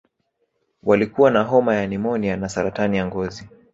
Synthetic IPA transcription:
walikuwanaɦɔmajanimɔnianasaɾatanijaŋɡɔzi

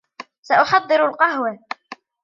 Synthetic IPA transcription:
saʔʊħɑd̪ˤːɨɾalqɑɦwa

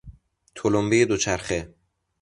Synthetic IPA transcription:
t̪ʰolombejed̪ot͡ʃʰæɾxe

